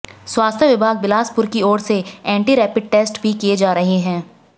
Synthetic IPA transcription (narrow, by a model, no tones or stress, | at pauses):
swaːst̪ʰjəʋɪbʱaːɡ̚bɪlaːspʊɾkiɔːɽseɛ̃ːɳʈiɾɛːpɪɖ̚ʈeːsʈbʱikied͡ʒaːɾɐɦeɦɛ̃ː